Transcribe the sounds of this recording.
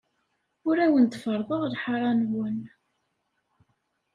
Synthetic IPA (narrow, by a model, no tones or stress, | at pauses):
ʊɾæwənt̪fəɾˤðˤəʁlħaɾˤɑnwən